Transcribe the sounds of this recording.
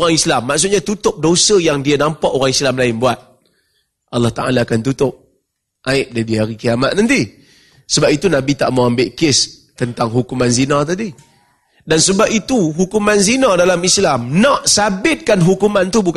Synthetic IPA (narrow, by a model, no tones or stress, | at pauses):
ɾaŋislamːaʔsʊt̪̚ɲat̪ut̪ʊp̚dosəjaŋdianampaʔoɾaŋislamlaɪnbuat̪̚ | ʔɑlːɔht̪aʔa̰laːkant̪ut̪ʊp̚ | ʔaɪʔ̚dadiaɾikiamat̪̚nant̪i | səbapit̪unabit̪a̰ʔmawambɪʔkɪst̪ənt̪aŋɦukumanzinat̪̬adi | dansəbap̚it̪uɦukumanzinadalamislamnɔʔsabɪt̪̚kanɦukumant̪ubuk